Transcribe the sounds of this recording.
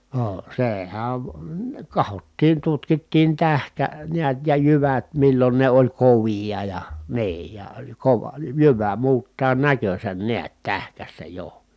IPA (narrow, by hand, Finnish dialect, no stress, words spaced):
noː sehæn kɑhotːiːn tutkitːiːn tæhkæ niæt jɑ jyʋæt milːon ne olʲ koʋiɑ jɑ niː jɑ koʋɑ jyʋæ muːtːɑː nækøsæn niæt tæhkæsːæ jo